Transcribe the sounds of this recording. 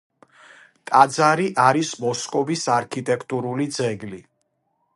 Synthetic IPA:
t̪ʼad̪zaɾiʔaɾismɔskʼɔbisaɾkʰit̪ʼɛkʰt̪ʼuɾulid̪zɛɡli

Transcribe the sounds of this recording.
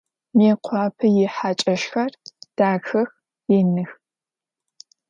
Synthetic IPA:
meːqʷʰɑːpʰɨjɪħat͡ʃʼɐʃxɐrd̥aːxɐx | jɪnɨx

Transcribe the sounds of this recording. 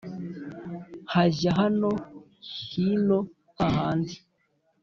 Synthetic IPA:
haʒaɦano | hino | aɦaːndi

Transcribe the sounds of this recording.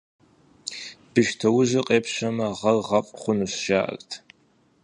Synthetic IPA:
b̥ɨʃtʰɐwʊʒɪqʼeːpʰʃɐmɐʁɐrʁɐfʼχʷʊnuɕʒaːʔɐ̰kʼtʰ

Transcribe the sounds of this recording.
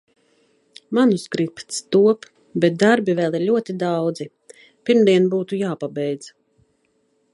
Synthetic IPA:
manuskɾipt̪st̪uɔp | bɛt̪̚d̪aɾbivɛlˠiɾlʲuɔt̪id̪awd̪zi | piɾmd̪iɛnbuːt̪ujaːpabɛjd̪z̥

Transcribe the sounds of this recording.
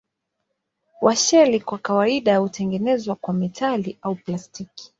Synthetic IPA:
waʃɛlikwakawaiɗajahutɛŋɡɛnɛzwakwamitʰaliʔauplastiki̥

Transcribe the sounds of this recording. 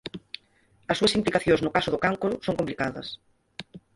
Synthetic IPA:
ɐsuɐsimplikaθjõŋznʊkasʊðʊkaŋkuɾʊsõŋkomplikaðɐ̰s

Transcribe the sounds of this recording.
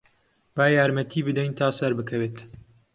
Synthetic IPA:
baːjaːɾmɐt̪ʰiːbɨd̪ɛjnt̪ʰaːsɐɾbɨkʰɐweːt̪

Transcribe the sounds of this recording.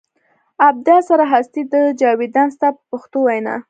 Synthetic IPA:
ab̚d̪ɑsaɾaɦast̪id̪əd͡ʒɑwid̪anst̪apəpʊxt̪owajnɑ̰

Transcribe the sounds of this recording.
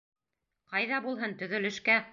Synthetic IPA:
qɑjðɑbulˠɦɤnt̪ɵ̆ðɵ̆lɘ̆ʃkæ

